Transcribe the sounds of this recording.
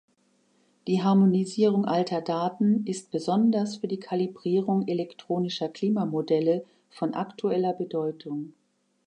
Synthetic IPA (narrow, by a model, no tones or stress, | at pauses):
d̥iːɦaɐmoniziːʁʊŋʔaltʰɐdaːtn̩ɪst̚b̥əzɔndɐsfyːɐdiːkʰalibʁiːʁʊŋelɛktʁ̥oːnɪʃɐkl̥iːmamodɛlə | fɔnʔa̰ktʰuɛlɐbədɔʏtʰʊŋ